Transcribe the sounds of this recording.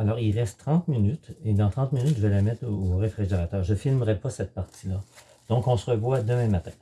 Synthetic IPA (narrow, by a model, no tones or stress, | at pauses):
alɔʁilʁɛst̪ːʁɑ̃t̪minyt̪ed̪ɑ̃t̪ʁɑ̃t̪minyt̪ʒəvɛlamɛt̪oːʁefʁiʒeʁat̪œːʁʒəfilmʁɛpʌsɛt̪̚paʁt̪ilʌ | d̪̥ɔ̃kɔ̃səʁəvwad̪əmɛ̃mat̪ɛ̃